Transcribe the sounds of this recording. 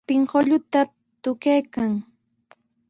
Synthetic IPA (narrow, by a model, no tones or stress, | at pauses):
pɪŋɢoʎʊt̪a | t̪ʊkajkaŋ